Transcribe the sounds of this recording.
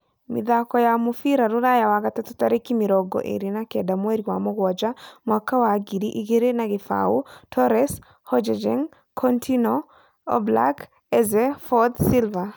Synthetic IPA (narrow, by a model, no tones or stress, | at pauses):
mḭd̪akɔjamufiɾaɾuɾajawaɡatatɔtaɾekimiɾɔɡɔ̰ʔḛɾinakɛdamweɾiwa̰mɔɡwɔd͡ʒamakawaɡidiʔiɡeɾenaɡɪfa̰utʰɔɾɛs | hɔd͡ʒɛd͡ʒɛ̰ŋ | kʰɔntʰinɔ | ɔ̰bla̰k | ɛzɛfɔt̪silva